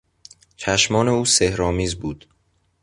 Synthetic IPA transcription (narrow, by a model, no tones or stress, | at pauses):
t͡ʃʰæʃmɒːne̞uːsehɾɒːmiːzbuːd̪̥